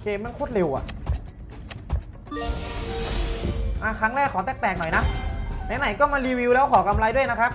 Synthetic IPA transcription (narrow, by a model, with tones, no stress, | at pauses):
keː˧mːa˧˩nkʰoː˦˥˩t̪̚le˧wʔa̰˨˩ʔ | ʔa˧˩kʰɾa˦˥ŋɾɛː˥˩kʰːɔː˩˦t̪ɛː˧˩k̚t̪ɛː˨˩k̚nɔ˨˩jna˦˥na˨˦˥na˨˩˦jkɔː˥˩ma˧nliː˧wi˧wlɛː˦˥wkʰɔː˩˦ka˧mlaː˧jdu˥˩əjna˦˥kʰa˦˥p̚